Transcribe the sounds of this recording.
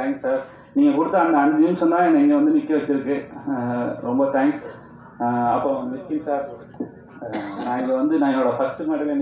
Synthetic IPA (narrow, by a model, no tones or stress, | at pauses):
t̪aːŋkssaːɾ | niːŋɡɐkuɽɯt̪ːɐːnd̪ɐɐnd͡ʒiːmsɐnd̪aːenːɐɛŋɡeʋɐnd̪ɯnikːeʋɐt͡ʃːiɾɯkːɯ | ɾɔmbɐt̪ʰaːŋɡs | ɐpːɐnd̪ʋɪskinsaːɾ | nãːiɡɐʋɐnd̪ɯnãːoːɽɐpʰɐsʈmaːʈɐlen